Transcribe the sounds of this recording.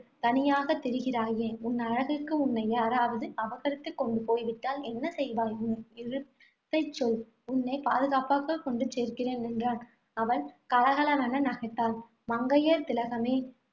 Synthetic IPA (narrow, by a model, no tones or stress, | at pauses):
t̪ɐnɪjaːɣɐt̪ːɛɾɯɣɪraːjeːʊnːɐɻɐɣɯkːɯʊnːɐjaːɾaːʋɐðɯɐʋɐɣɐɾɪt̪ːɯkːɔɳɖɯpoːjʋɪʈːaːlɛnːɐsɛjʋaːɣɯnɯɪɻɯ | t̪ːɐɪt͡ʃːɔl | ʊnːɐɪpa̰ːðɯɣaːpaːɣɐkɔɳɖɯt͡ʃeːɾkɪreːnɛndraːn | ɐʋɐnkɐlɐɣɐɭɐʋɐnɐnɐɣɐʈːaːl | mɐŋɡɐjɐɾt̪ɪlɐɣɐmeː